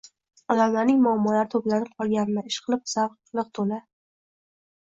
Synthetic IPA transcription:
ɒd̪amlaɾnɪŋmʊamːɒlaɾɪt̪ʰoplanɪp̚qʰɒɾˠɡʲanɪnɪɪʃqʰɨlˠɪp̚sabq | lˠɨq̚t̪ʰola

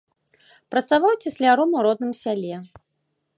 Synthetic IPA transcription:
pɾɐt̪savawt͡sʲɛsʲlʲaɾɔmuɾɔd̪̚nɨmsʲalʲɛ

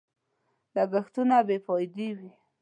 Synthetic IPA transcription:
laɡaxt̪unabepɔjd̪ewi

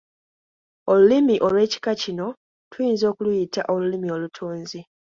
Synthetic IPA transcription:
o̞lulimiʔo̞lwe̞ːci̥kacino̞ | tujiːnzo̞ːkulujita̰ʔo̞lulimio̞lutʰoːnzi

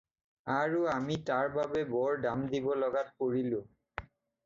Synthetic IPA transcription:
aɹuamitaɹbabebɔɹɖamd̪ibɔlɔɡat̚koɹilu

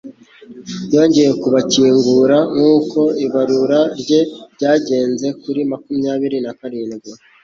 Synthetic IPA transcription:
jo̞ːɲɟe̞je̞kuβaciːŋɡuɾaŋuːko̞iβaɾuɾaɾɟe̞bɟaːɟe̞ːnze̞kuɾimakumjaːβiɾinakaɾiːniɡɡu

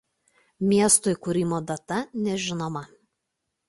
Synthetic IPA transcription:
mʲiɛst̪oːɪkʊɾʲɪmoːd̪ɐt̪ɐnʲɛʒʲɪnoːmɐ

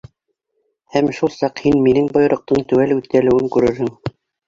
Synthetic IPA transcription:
hæmʃulˠsɑqhinminɘŋbɤ̆j̆ɾŏq̚t̪ɤɴt̪ʉwælʉθ̚kælɘ̆wɘŋkʉɾɘ̆ɾhɘŋ

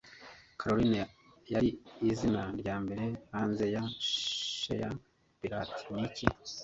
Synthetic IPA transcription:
kʰaɾoɾine | jaɾiːzinaɾɟaːmbe̞ɾe̞haːnze̞ja | ʃḛja̰ | piɾa̰ːti̥nici

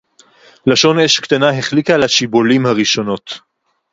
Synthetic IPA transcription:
laʃo̞neʃkt̪anaɦeχlikalaʃibolimhaʁiʃo̞no̞t̪

